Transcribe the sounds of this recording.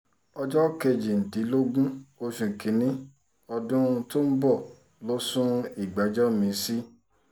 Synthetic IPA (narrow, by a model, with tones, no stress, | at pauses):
ɔ˧d͡ʒɔ˦ke˧d͡ʒi˨n̩˨ti˨˦lo˦ɡũ˦o˧ʃũ˨kʰĩ˨˦nĩ˦ | ɔ˧dũ˦˧to˦n̩˦bɔ˦˨ | lo˦sũ˦i˦˨ɡ͡ba˨˦d͡ʒɔ˦mĩ˧˦si˦